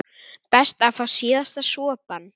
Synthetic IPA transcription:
pɛst̪afasjɪːðast̪asɔːpan

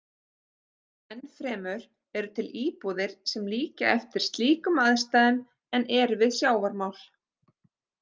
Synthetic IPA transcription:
ɛnfɾɛːmʏɾ̥ | ɛɾʏt̪ʰɪliːpɔðɪɾ̥sɛmliːca̰ʔɛft̪ɪɾ̥st̪liːkʏmaðst̪aːðɪn | ɛnɛɾvɪðsjaːwvaɾmaːwl̥

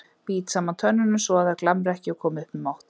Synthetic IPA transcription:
piːt̪saːmant̪ʰœnːʏnʏmsɔaðɛɾklamɾɛhcɪakʰɔːmʏhpɪmawht̪

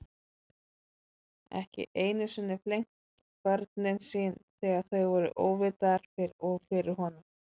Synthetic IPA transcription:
ɛ̰hcɪ̰ʔeːjnʏsʏnːɪflejŋ̥t̪ | kœɾt̪nɪnsiːnθɛːɣaθœɥvɔɾʏ̰ʔo̰ːwvɪt̪aɾ̥fɪɾɔɣfɪɾɪɾ̥ɦɔnʏm

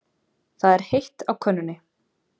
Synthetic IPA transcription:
θaðɛɾ̥hejht̪awkʰœnːʏnːɪ

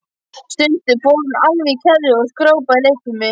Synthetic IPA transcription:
st̪ʏnt̪ɪpoːnalvicʰɛɾðɪɔɣskɾoːwpaɪlehkʏmɪ

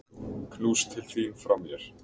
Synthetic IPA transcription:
kʰnuːst̪ʰɪlθiːnfɾawmjɛɾ̥

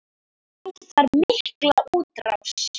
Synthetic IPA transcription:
anθaɾmɪhklauːt̪ɾa̰fs

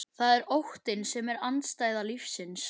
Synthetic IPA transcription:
θaðɛɾowht̪ɪnsɛmɛɾant̪st̪aːjðalifsɪns

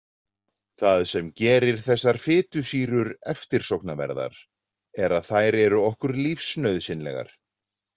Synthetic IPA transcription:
θaðsɛmcɛːɾɪɾ̥θɛsːaɾ̥fɪːt̪ʏsiːɾʏɾɛft̪ɪɾ̥sowknavɛ̰ɾða̰ɾ | ɛɾaðθajɾɛɾʏɔhkʏɾlifsːnœɥðsɪnlɛ̰ɣa̰ɾ̥

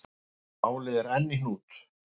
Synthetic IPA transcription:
aːwlɪðɛɾɛnːɪhnuːt̪

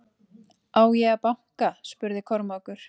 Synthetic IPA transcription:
aːwjɛɣapaŋ̥kaspʏɾðɪkʰɔɾmakʏɾ̥

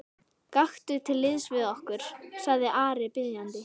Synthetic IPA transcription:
kaxt̪ʏt̪ʰɪlːɪðsvɪðɔhkʏɾ̥saɣðɪʔaːɾɪpɪðjant̪ɪ

